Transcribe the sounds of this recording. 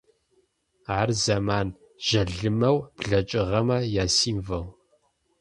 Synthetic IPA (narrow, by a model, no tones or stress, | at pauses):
aːrzɐmaːn | ʒ̥ɐɮɨmɐwbɮɐt͡ʃʼɪʁɐmɐjaːsiːmvɐʁ